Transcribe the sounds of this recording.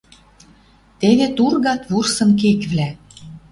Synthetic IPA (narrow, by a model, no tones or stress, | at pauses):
t̪eβet̪urɣɑt̪βursɤ̆nk̬ekβlæ